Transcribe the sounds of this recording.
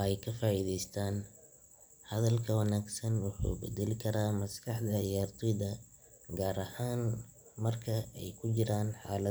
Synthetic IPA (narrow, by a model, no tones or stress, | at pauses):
ɛjkʰɐfaːʔiːðɛjst̪ʰaːn | hɐðɐlkʰɐwɑnaːɡsɐnwʊħṵːbɛd̪ɛlɪkʰɐɾaːmɐskʰɑħd̪ɐjaːrt̪ʰɪðɐ | ɡaːɾɐhaːn | mɐrkʰɐɛjkʰʊt͡ʃɪɾaːnħaːlɐ